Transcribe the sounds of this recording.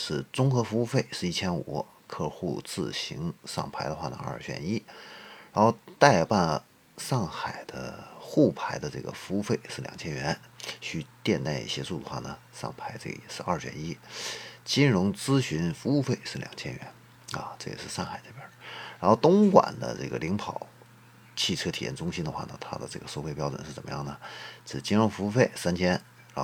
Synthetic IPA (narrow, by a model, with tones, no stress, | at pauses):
ʂɻ̩˥˩t͡sʊ˥ŋxɤ˧˥fu˧˥u˥˧fe˥˩ɪʂɻ̩˥˩i˥˩t͡ɕʰjɛ˥nu˨˧˩ | kʰɤ˥˧xu˥˧t͡sɹ̩˥˩ɕi˧˥ŋʂɑ̰˥˩ŋpʰa˧˥ɪd̪ə˧xwa˥˩nə̰˩ɐ̰˞˥˩ɕʰɥɛ̰˧˩ni˥ɻa˧˥nxo˥˧ʊt̪a˥˧ɪpa˥˩n˩ | ʂɑ˥˩ŋxa˨˩ɪd̪̥ə˦xu˥˩pʰa˧˥ɪd̪ə˧ʈ͡ʂɤ˥˩ɡə̰˩fu˥fe˥˧ɪʂɻ̩˥˩ljɑ̰˨˩ŋt͡ɕʰjɛ˥nɥɛ˧˥nɕʰy˥˧t̪jɛ˥˧nt̪a˥˧ɪḭ˥˩ɕjɛ˥su˥˩d̪ə˩xwa̰˥˩nə˩ | ʂɑ̰˥˩ŋpʰa˧˥ɪʈ͡ʂɤ˥˩ɡə̰˩jɛ̰˨˩ʂɻ̩˥˧ɐ˞˥˩t͡ɕɛ̰˥˩ni˥t͡ɕi˥nɻʊ˧˥ŋt͡sɹ̩˥ɕy˧˥nfu˧˥u˥˧fe˥˧ɪʂɻ̩˥˩ljɑ̰˨˩ŋt͡ɕʰjɛ̰˥nɥɛ̰˧˥n | ɐ̰˧˩ʈ͡ʂɤ˥˩ɡə̰˨˩ʂɻ̩˥˧ʂɑ˥˩ŋxa˨˩ɪʈ͡ʂbjə˥˩ɻa˧˥nxo˥˧ʊt̪ʊ˥ŋkwa̰˨˩nd̪ə̰˦ʈ͡ʂɤ̰˥˩ɡə˩li˧˥ŋpʰɑ˨˩˦ʊ | t͡ɕʰi˥˩ʈ͡ʂʰɤ˥t̪ʰi˨˩jɛ̰˧˥˩nʈ͡ʂʊ˥ŋɕi˥nd̪ə˧xwa˥˩nə̰˩t̪ʰa̰˥d̪ə̰˧ʈ͡ʂɤ̰˥˩ɡə˩ʂo˥˧ʊxe˥ɪpjɑ˥ʊʈ͡ʂwə̰˨˩nʂɻ̩˥˩t͡sə˨˩mə˦jɑ˥˩ŋnə˩ʈ͡ʂɻ̩˥˩t͡ɕi˥nɻʊ˧˥ŋfu˧˥u˥˧˩fe˥˩ɪsa˥nt͡ɕʰjɛ˥n | ɻ